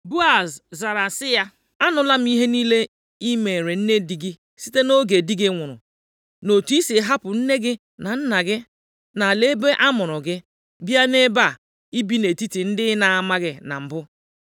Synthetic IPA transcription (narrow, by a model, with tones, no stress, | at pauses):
bu˦a˨zza˨ɾa˨sɪ˦ja˦ | a˦nʊ˨la˦m̩˦i˦ɦe˦niː˦le˦ | i˦me˨ɾe˨n̩˦ne˦di˨ɡɪ˦ | si̥˦te˦no˦ɡe˨di˦ɡɪ˦ŋʷʊ˨ɾʊ̰˨ | no˨ti˦si˨˦ɦa˦pʊ˨n̩˦ne˦ɡɪ˦ | na˨n̩˦na˨ɡɪ˦ | na˨le˦be˦ʔa˦mʊ˨ɾʊ˨ɡɪ˦ | bja˦ne˦ba˦˨ | i˦bi˦ne˨ti˦ti˨n̩˦dɪ˦na˨a˨ma˦ɡɪ˦na̰˨m̩˨bʊ˦